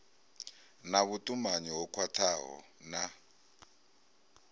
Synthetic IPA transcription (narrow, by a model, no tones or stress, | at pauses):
naβutʼumaɲiɦɔkʰwatʰaɦɔ̰ | na